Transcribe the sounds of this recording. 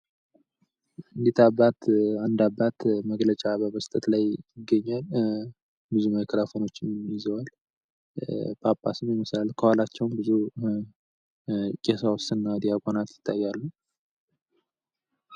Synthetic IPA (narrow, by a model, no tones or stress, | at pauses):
ɨnd̪it̪ʰabat̪and̪abːat̪məɡlət͡ʃʼabəməst̪ʼət̪lajɪɡːəɲːal | bɨzuməkʰəɾafo̞no̞t͡ʃːɪmmjɪzəwal | bʰapʼːa̰sɨmjɛmɨsalkʰəwalat͡ʃːɛwmbɨzu | kʼesawʊst̪ʼɨnːawd̪ijakʼonat̪jɪ̥t̪ʰʼːajːalːu